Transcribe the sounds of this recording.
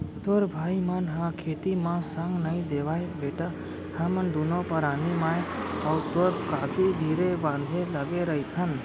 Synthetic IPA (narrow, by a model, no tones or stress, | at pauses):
t̪ʊɾbʱaːimɐnɦãkʰeːt̪imãsəŋɡnɐĩd̪eːʋaːebeːʈa | hɐmənd̪uːnõpɐɾaːnimãːẽɔːɾt̪oɾkaːkʰid̪ʱiːɾebãːnd̪ʱeləɡeɾɐit̪ʰən